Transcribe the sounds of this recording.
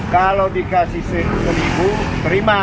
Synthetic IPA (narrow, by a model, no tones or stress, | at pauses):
kalodikasihsesəlibut̪əɾima